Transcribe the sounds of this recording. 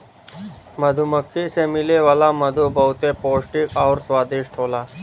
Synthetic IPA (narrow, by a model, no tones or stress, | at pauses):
məd̪ʱuməkʰːesemɪleʋaːlaməd̪ʱubəɦʊt̪epoːlʈɪkɔːɾswaːd̪ɪʃʈʰoːlaː